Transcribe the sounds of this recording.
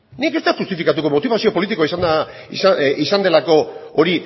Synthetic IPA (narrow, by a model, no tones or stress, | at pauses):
nike̞st̪eʝust̪ifikat̪uko̞mo̞t̪iβasio̞po̞lit̪ikoaisand̪a | sisand̪e̞lako̞oɾi